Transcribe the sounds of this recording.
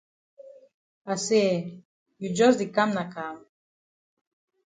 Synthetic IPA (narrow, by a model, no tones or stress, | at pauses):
ase | jud͡ʒɔsd̪ikamnakam